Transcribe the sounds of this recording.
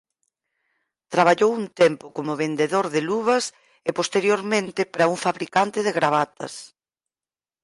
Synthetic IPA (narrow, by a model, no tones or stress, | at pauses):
t̪ɾaβ̞aʎowunt̪empʊkomʊβend̪eðoɾðɪluβɐs | ɪpost̪eɾjoɾmẽnt̪ɪpɾɐuŋfaβɾikant̪ɪðeɣɾaβ̞at̪ɐ̰s